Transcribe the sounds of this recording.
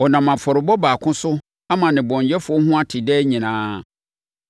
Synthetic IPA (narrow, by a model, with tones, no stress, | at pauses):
ɔ˨nã˨mã˨fɔ˨ɾɪ˨bɔ˦baː˨kʰʊ̃˦sʊ˦ | a˦mã˨nɪ̃˨bɔ̃˨ɲjɛ˦fʊ˨ɔ˦hʊ̃˦a˦tʰɪ˨dɛ˦ɲĩ˨nãː˦